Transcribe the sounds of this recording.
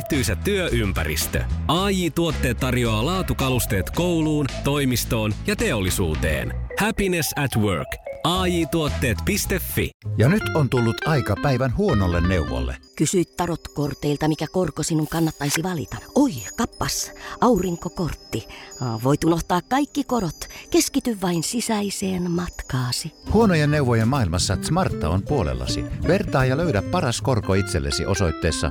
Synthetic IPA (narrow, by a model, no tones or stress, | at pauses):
t̪yjsæt̪ːyøʔympæ̰ɾḭst̪ø̰ɑːjiːt̪uot̪ːe̞ːt̪ːɑrjoɑːlɑːt̪ukɑlust̪e̞ːt̪ko̞wluːnt̪o̞jmist̪o̞ːnjɑt̪e̞olːisṵːt̪e̞̰ːnhæpinesæt̪wø̰rkɑːjiːt̪uot̪ːe̞ːt̪pist̪efːḭjɑnyt̪ont̪ulːut̪ɑikɑpæiʋænhuonolːenneuʋo̰lːḛkysyit̪t̪ɑrot̪kort̪eilt̪ɑmikækorkosinuŋkɑnːɑt̪ːɑisiʋɑlḭt̪ɑoikɑpːɑsʔɑuriŋkokort̪ːiʋoit̪unoht̪ɑːkkɑikːikorot̪keskit̪yʋʋɑinsisæiseːnmɑt̪kɑːsihuonojenːeuʋojemmɑːilmɑsːɑt̪smɑrt̪ːɑ̰ompuolḛlːɑ̰sḭʋert̪ɑːjjɑløydæppɑrɑskorkoit̪selːḛsḭʔosoit̪ːeːsːɑ̰